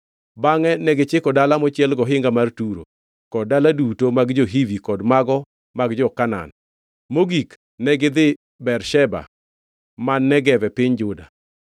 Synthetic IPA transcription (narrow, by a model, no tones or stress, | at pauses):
baŋɛnɛɡɪt͡ʃɪkɔdalamɔt͡ʃɪɛlɡɔɦɪŋɡamartuɾo̰ | kɔd̚dːaladutomaɡd͡ʒoɦivikɔdmaɡɔ | maɡd͡ʒɔkana̰n | moɡik | nɛɡɪd̪ɪ | bɛrʃɛba̰ | manːɛɡɛvɛpɪɲd͡ʒʊda̰